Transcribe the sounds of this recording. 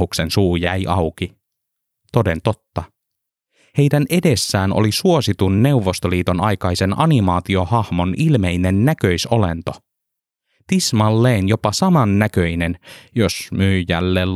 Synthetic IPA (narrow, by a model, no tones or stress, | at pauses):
uksensuːjæjʔɑwki | t̪o̞de̞nt̪ot̪ːɑ | he̞jdænʔe̞de̞sːæːno̰lisuosit̪unːe̞uʋːo̞st̪oliːt̪o̞nɑjkɑjse̞nɑ̰nimɑːt̪io̞hɑhmo̞nʔilme̞jne̞nːækøisolḛnt̪o̞ | t̪ismɑlːeːnjo̞pɑsɑmɑnːækø̞inenjosmyːjælːeːl